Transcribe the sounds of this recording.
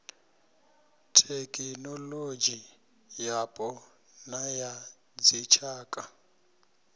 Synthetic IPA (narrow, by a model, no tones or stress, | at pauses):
tʰekʼinɔlod͡ʒi | japʼɔ | naja | d͡zit͡ʃʰaːkʼa